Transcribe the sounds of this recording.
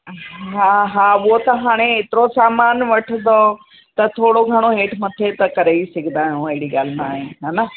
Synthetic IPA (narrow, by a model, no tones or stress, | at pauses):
ɦaɦãʊot̪ɐɦaːɽ̃eeːt̪ɪɾosaːmaːnʋɐʈʰənd̪o | t̪ɐt̪ʰoːɽoɡʱɐɽ̃oɦeːʈʰmɐt̪ʰet̪ɐkɐɾeisɐɡʱnd̪aːjũɐɦɪɽiɠaːlmã̰aːɦeɦaːna